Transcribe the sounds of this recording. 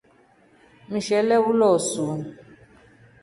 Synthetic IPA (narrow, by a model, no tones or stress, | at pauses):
miʃɛlɛwulɔsun